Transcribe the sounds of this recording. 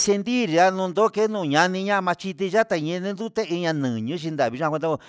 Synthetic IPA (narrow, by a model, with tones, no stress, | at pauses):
se˧nd̪i˦ɾi˨˧a˦nũ˧nd̪o˦ke˦nũː˧˨ɲã˧nĩ˧ɲã˦˧mã˧t͡ʃi˧t̪̬i˧ʒa˦t̪a˧ɲẽ˧nĩ˦nd̪u˦t̪e˦i˧ɲã˧nɨ̃ː˨ɲũ˦ʃi˧nd̪a˨βi˧ʒã˧kʷnd̪a˧